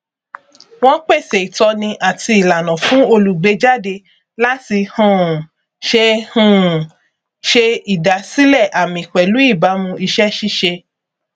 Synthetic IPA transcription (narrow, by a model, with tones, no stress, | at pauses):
w̃ɔ̃˦k͡pe˦˨se˨i˨tɔ˧nĩ˧ʔa˦˨ti˧˦i˨la˨nɔ̃˨fũ˨˦o˧lu˨ɡ͡be˨˧d͡ʒa˦˨de˧ | la˦ti˧hɔ̃˦˨ | ʃe˧hũ˦˨ | ʃe˧i˨da˨si˦lɛ˦˨ʔa˨mĩ˨k͡pɛ˨lu˨˦i˦˨ba˨˦mũ˧i˧ʃɛ˦ʃi˦ʃe˧